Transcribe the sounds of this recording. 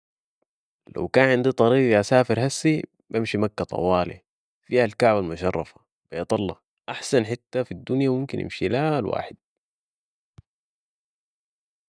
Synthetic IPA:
la̰wkaːnʕɪnd̪it̪ˤɑɾiːɡiʔasaːfiɾɦasːi | bamʃimakːat̪ˤɑ̰wɑːlḭ | fiːhalkaʕbalmuʃɑrˤːɑ̰fḁ | b̥ajt̪ˤɑlːɑ | ʔaħsanħɪt̪ːafid̪ːunjamumkinʔḭmʃilalwa̰ːħɪd̪̚

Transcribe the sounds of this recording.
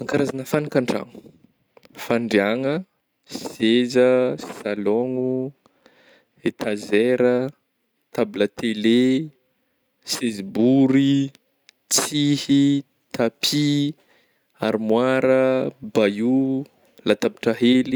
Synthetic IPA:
aŋkaɾazanəfanikaɳɖ͡ʐa̰ŋu̥ | faɳɖ͡ʐiaŋə | szezəssalɔŋu | et̪azeɾə | t̪abilət̪ele | sezbuɾi | t͡sihi | t̪apʰi | aɾmwaɾəbaju | lat̪abiʈ͡ʂəɦeli

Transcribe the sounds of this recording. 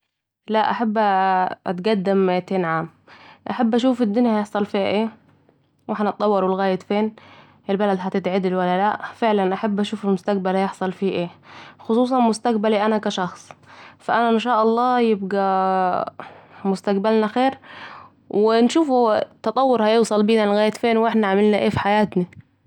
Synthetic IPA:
laʔaħabːʔa̰t̪ɡad̪ːɪmt̪eːnʕaːmʔaħabːʔaʃuːfɪd̪ːʊnjajɪħsˤɑlfiːha̰ʔeː | waħnʔɑt̪ˤːɑwːɑɾˤɪlɣaːjɪt̪feːn | ʔɪlbalad̪ɦat̪ɪt̪ʕɪd̪ɪlwalːalaʔfɪʕlanʔaħabːʔaʃuːfɪlmʊst̪aq̚balhajɪħsˤɑlfiːʔeːxʊsˤuːs̬ˤɑmʊst̪aqbaliʔanakaʃɑxsˤfaʔanaɪnʃaːʔɑlˤːɑːjɪb̚ɡa | mʊst̪aqbalnaxeːɾ | wʔɪnʃuːfut̪ɑt̪ˤɑwːʊɾhajɪːsˤɑlbiːnalɣaːjɪt̪feːnwʔɪħnaʕamɪlnaʔeːfi̥ħajaːt̪na

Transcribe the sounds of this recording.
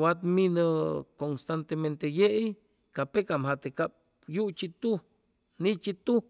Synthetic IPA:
wat̪minəkonst̪ant̪ement̪ejeʔj | kapekamɦat̪ekap̚ | jut͡ʃit̪u | nit͡ʃit̪u

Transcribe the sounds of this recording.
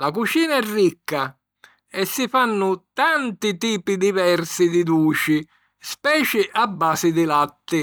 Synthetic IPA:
lakut͡ʃiːnaɛrːikːa | ɛsːifanːʊt̪ant̪it̪iːpid̪ivɛrsid̪id̪uːt͡ʃi | spɛːt͡ʃɪʔabːaːsɪd̪ɪlat̪ːɪ

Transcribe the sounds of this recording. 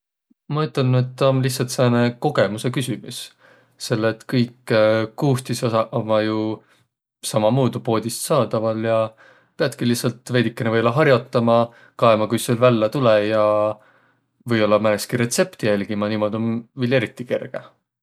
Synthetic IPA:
mɑyt̪ˑːɑnːet̪ːɑonlihsɑlt̪seneko̞ɡe̞musekysʲimus | se̞lːet̪kɤjkːˑkuːht̪isosɑmɑju | sɑmɑmuːd̪upo̞ːd̪̥ʲist̪sɑːd̪̥ɑvɑljɑ | peɑt̪kilihsɑlt̪ˑve̞ːd̪̥ikːˑenevɤjolːɑɦɑrjo̞t̪ːˑɑmɑ | kɑemɑkujselvælːɑt̪ulejɑ | vɤjo̞lːɑmæneskiɾe̞t̪se̞pt̪ijælʲɡ̥imɑniːmo̞d̪̥io̞nvile̞ɾit̪ˑːike̞rɡ̥e

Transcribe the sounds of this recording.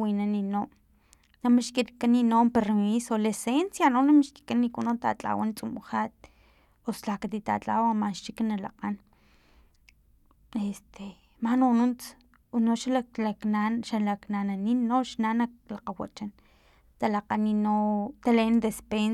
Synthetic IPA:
winaninom | namiʃkit̪kaninoːmpeɾmisolesensjanonamiʃki̥kanikunont̪a̰t͡ɬʼa̰want͡sʼumuχaːt̪̚ | oslakat̪it̪a̰t͡ɬʼawamaʃt͡ʃikanalaqan | est̪ʰe | mahnonunt͡s | unoʃalalakaʃalaknananinːoʔʃnanalaqawa̰t͡ʃan | t̪alaqaninot̪aleʔnd̪espen

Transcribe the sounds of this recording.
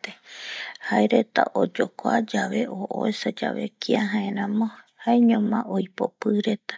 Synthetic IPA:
t̪ehaeɾet̪a̰ʔod͡ʒokʷad͡ʒaβe̞ʔoʔo̰esad͡ʒa̰βe̞̰kʰiaɦãẽɾãmõhaeɲõmãʔojpo̰pɨɾet̪ḁ

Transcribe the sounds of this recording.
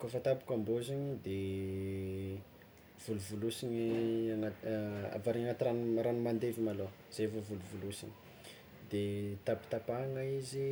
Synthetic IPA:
kofət̪api̥kamboziɲid̪e | v̥uluvulusiɲiŋaa̰vaɾiaŋat̪iranɾanumand̪evimalo | z̥evovuluvulusini̥ | d̪et̪api̥t̪apaŋaizi

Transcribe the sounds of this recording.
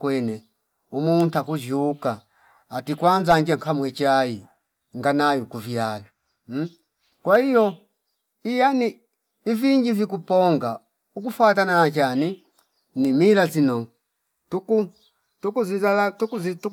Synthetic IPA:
kwɛnɛ | umuntakud͡ʒuːkaː | tikwanzaɲd͡ʒaŋkamwɛt͡ʃai | ŋɡanajukuvjala | kwahijɔ | ijaniː | viɲd͡ʒivikupɔŋɡa | uk̬ufatananat͡ʃani | nimilazinɔ | tuku | tukuzialatukuzitu

